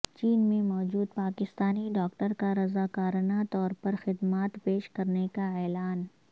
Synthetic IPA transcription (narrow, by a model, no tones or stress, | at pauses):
t͡ʃiːnmẽmɔːd͡ʒuːd̪̚paːkɪst̪aːniɖɔːk̚ʈəɾkaɾɐzaːkaːɾnat̪ɔːɾpɐɾxɪd̪maːt̪peːʃkɐɾnekaɛːlaːn